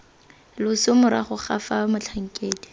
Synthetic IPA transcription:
lʊsʊmʊɾa̰χʊχafamʊt͡ɬʰaŋ̩kʼeːdi̥

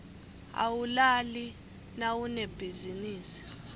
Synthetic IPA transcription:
a̰wulali | nawuneb̥ʱiziniːsi̥

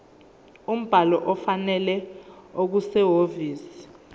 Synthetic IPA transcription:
um̩b̥ʱalɔʔɔfanɛlɛok̬usɛɦoviːsi̥

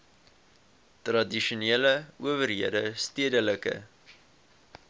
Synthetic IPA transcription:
trɐdiʃuneːləuəvərɦiədəstiədələkə̰

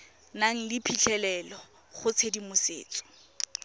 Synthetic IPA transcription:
naŋ̩lɪpʰiɬʰɛlɛlɔ | χʊt͡sʰedimʊsḛːt͡sʼɔ̥

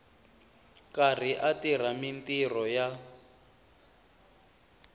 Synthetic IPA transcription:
kar̤iʔatir̤amintirɔja

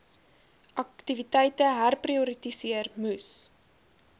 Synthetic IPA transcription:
ʔɐktivitɛjtəɦærpriuɾitisiərmʉs

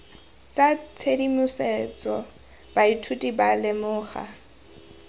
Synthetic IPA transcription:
t͡sʼat͡sʰedimʊsɛt͡sʼɔ | b̥aitʰutʼibalɪmʊːχa̰

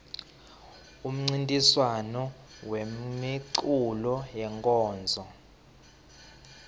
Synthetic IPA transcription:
um̩ŋ͡ǀintʼiswanɔ | wemiǀulɔjɛŋkʼɔːnd͡zʱɔ

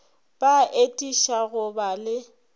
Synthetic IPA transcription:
b̥aʔetʼiʃaɣʊbalɪ

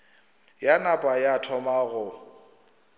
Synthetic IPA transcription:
janapʼajatʰɔmaɣʊ

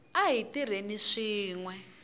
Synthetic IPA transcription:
aɦitiɾ̤eniʂiːŋwɛ

